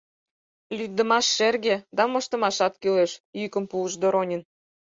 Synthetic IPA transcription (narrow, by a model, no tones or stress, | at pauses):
lʲyk̚d̪ə̆mɑʃːerɣed̪ɑmɤ̆ʃt̪ə̆mɑʃɑt̪kyleʃjykə̆mpuəʃd̪oɾonʲə̆n